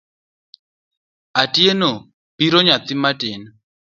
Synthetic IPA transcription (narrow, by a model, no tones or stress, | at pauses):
atʼienɔ | piɾɔɲat̪imatʼeːna